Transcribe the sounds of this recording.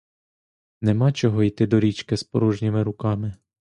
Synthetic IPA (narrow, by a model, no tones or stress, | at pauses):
nemɑt͡ʃɔɦɔijt̪ɪd̪ɔɾʲit͡ʃkɪspɔɾuʒnʲimɪɾʊkɑmɪ